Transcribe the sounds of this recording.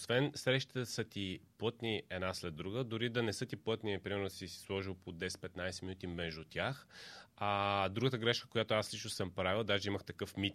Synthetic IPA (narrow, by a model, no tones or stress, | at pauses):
osvɛnsɾɛʃt̪ə̥t̪əsət̪iplˠɤt̪niɛd̪naslɛd̪ːɾuɡəd̪oɾid̪ɐnɛsɤt̪iplˠɤt̪nipɾimɛɾnod̪sisi̥slˠɔʒilˠpod̪ɛsɛ̥t̪pɛt̪najsɛminut̪imɛʒd̪uʊt̪ʲjaxad̪ɾuɡət̪əɡɾɛʃkə̥kojat̪oaslit͡ʃnosɤmpɾavilˠd̪aʒɛiməxt̪ɐkɤfmit̪